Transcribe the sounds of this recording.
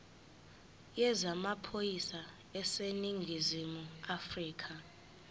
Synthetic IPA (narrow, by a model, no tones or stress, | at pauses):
jɛzamapʰojisa | ɛseniŋɡʱizimuafriːkʰa